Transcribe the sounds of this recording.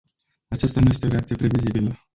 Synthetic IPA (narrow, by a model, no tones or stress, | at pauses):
at͡ʃast̪anuje̞st̪eo̞ɾeak̚t̪ijepɾe̞vizibilə